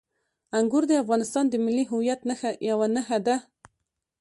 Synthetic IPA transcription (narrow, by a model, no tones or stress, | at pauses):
aŋɡʊɾd̪əafɣɑnɪst̪ɑnd̪əmɪlːiɦʊwjat̪naxajawanaxad̪a